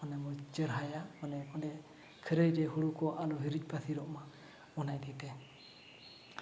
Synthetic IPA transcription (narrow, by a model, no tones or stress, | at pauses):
ɔnɛmɔd͡ʒəɾɦajaɔnɛɔnɛ | kʰəɾəjd͡ʒɛhuɽukɔʔalɔɦiɾid͡ʒ̚basiɾɔʔma | mɔnajd̪it̪ɛ